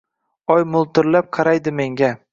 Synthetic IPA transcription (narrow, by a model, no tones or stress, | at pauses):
ɒjmʊlˠt̪ɪɾlap̚qʰɑɾajd̪ɪme̞ŋɡʲa